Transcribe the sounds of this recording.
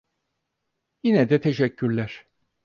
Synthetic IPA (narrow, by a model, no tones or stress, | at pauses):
jinɛd̪ɛt̪ʰeʃɛcʰːyɾlʲæɾ̥